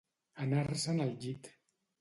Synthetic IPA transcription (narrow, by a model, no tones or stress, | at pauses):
anarsanald͡ʒit̪